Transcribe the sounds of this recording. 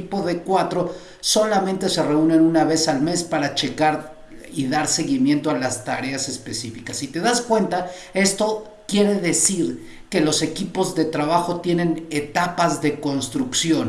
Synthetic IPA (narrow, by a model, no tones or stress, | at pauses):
ipo̞ðe̞kwat̪ɾo̞ | so̞lamẽ̞nt̪e̞se̞re̞une̞nunaβe̞salme̞spaɾat͡ʃe̞kaɾ | iðaɾse̞ɣimje̞nt̪oalast̪aɾe̞ase̞spe̞sifikasit̪e̞ðaskwe̞nt̪ae̞st̪o̞ | kje̞ɾe̞ðe̞siɾ | ke̞lo̞se̞kipo̞zðe̞t̪ɾaβaxo̞t̪je̞ne̞ne̞t̪apazðe̞ko̞nst̪ɾuksjo̞n